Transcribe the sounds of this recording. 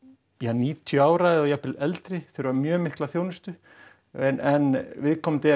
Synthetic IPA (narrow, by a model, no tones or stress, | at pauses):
janiːt̪ʰjʏaːwɾaɛðɔjapɪlɛlt̪ɾɪθɪɾʏamjœːmɪhklaθjoːwnʏst̪ʏ | ɛnɛnvɪðkʰɔmt̪ɪ